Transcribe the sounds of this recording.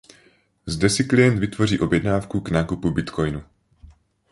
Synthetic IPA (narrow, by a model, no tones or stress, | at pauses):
zdɛsɪklijɛnt̪vɪt̪vo̞r̝iːʔo̞bjɛdnaːfkuɡnaːkupubɪt̪kʰo̞jnu